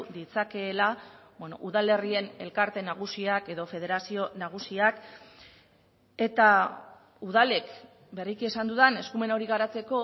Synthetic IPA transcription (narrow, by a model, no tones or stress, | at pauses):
ðit͡sake̞ːla | bwenoʔuðale̞rie̞ne̞̰lkaɾt̪e̞naɣ̞usiake̞ðo̞fe̞ð̞e̞ɾasio̞naɣ̞usiak | e̞t̪a | uðale̞k | berikie̞sand̪uðane̞skume̞noɾiɣ̞aɾat͡se̞ko̞